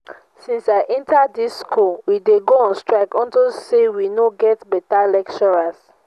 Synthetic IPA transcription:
sĩnsaɪʔɛ̃ntaddisːkʰowideɡoãnstɹaɪkɔ̃ntilsewinoɡɛtbɛtalɛkt͡ʃɔɹas

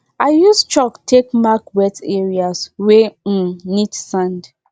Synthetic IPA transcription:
aɪjust͡ʃɔktʰekmakwɛtɛɹiaswẽ | nitsãnd

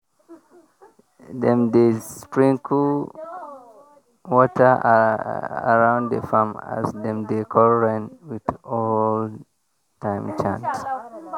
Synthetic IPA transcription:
dɛ̃mdesspɹĩŋkʰu | wɔtʰə | a̰ɹãʊ̃nddə̰fama̰zdɛ̃mdekʰɔlɹɛ̃nwiðɔl | tãɪ̃mt͡ʃã̰ns

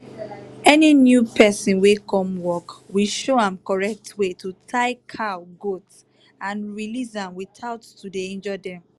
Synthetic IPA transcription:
ɛninjupʰɛsĩnwekʰɔ̃mwɔkwiʃoãmkɔɹɛk̚tʰwetutʰaɪkʰaɡots | ãnɹilisãmwiθaʊtːudeɛ̃nd͡ʒɔdɛ̃m

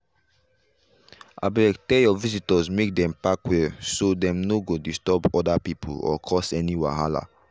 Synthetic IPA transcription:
a̰bɛktɛjɔvizitɔzmek̚dɛ̃mpakwɛsodɛ̃mnoɡodistɔpɔdapipʰo̰lɔ̰kʰɔsɛniwã̰ɦala̰

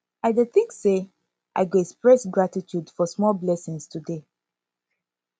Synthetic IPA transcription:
aɪdeθĩŋkse | ʔa̰ɪɡoɛkspɹɛsɡɹatitʰjudfɔsmɔlblɛsĩŋstʰude

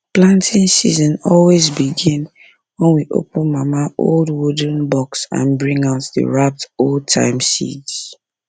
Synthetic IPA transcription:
plãntʰĩnsḭzɔ̃nɔlwezbiɡĩn | wɛ̃nwiʔo̰pʊ̃nmamaʔo̰ldwudə̃n̩bɔksã̰nbɹĩŋaʊtðə̰ɹap̚toltʰã̰ɪ̃msḭds

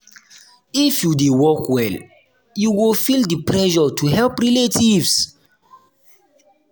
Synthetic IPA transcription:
ifjudewɔkwɛl | juwilfildipɹɛʒɔtʰuhɛlpɹiletivs

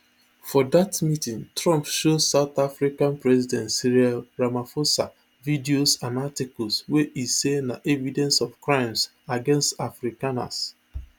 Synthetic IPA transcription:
fɔdatmitĩŋtɹɔ̃mpʃosaʊt̪afɹikãnpɹɛzidɛ̃ntsiɹiaɹamafosa | vidiosãnatikɔlsweʔisenaʔɛvidɛ̃nsɔfkɹãɪ̃ms | aɡɛ̃nstafɹikana̰s

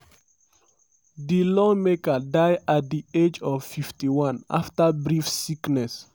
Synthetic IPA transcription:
dilɔmekədajat̚d̪ied͡ʒɔv̥fiftiwãna̰ftəbɹifsiknɛs

